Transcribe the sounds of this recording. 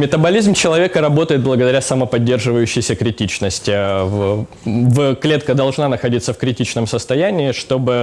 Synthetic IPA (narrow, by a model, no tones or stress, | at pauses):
mʲɪt̪əbɐlʲizmt͡ɕɪlˠɐvʲe̞kəɾɐbo̞t̪əjɪt̪̚blˠəɡəd̪ɐɾʲasɐməpɐdʲːerʐɨvəjʉɕːɪjsʲəkɾʲɪtʲit͡ɕnəsʲtʲɪv | vklʲe̞t̪kəd̪ɐlˠʐnanəxɐdʲit̪səfkɾʲɪtʲit͡ɕnəmsəst̪ɐjænʲɪːʂt̪o̞bɨ